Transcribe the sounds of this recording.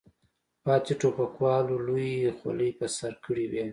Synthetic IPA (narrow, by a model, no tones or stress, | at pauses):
pɑːt̪iʈopakwɑlolujxwa̰ləjpəsaɾkəɽiwe